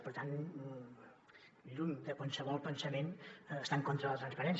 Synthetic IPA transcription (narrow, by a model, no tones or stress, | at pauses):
pəɾt̪an | ʎund̪əkwalˠsəβɔlˠpənsəmenːst̪aŋkɔnt̪ɾəlˠət̪ɾənspəɾɛns